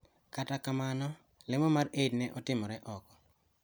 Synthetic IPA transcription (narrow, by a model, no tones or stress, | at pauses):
katakamanɔ | lɪmɔmarednɛʔɔtɪmɔɾɛʔɔkɔ̥